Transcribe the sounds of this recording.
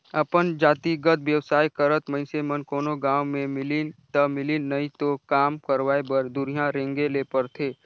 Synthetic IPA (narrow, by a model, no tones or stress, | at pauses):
ɐpənd͡ʒaːt̪iɡət̪ʋwjəwsaːjkəɾət̪məɪnsemənkoːnoɡãːwmẽmɪlint̪əmɪlinɐĩt̪okaːmkəɾʋaːebəɾd̪ʊɾijãɾẽŋɡelepəɾt̪ʰeː